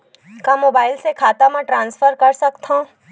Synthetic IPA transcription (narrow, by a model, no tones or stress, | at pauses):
kamoːbaːɪlsekʰaːt̪amãʈɾãːnsfʰəɾkɐɾsɐkt̪ɦã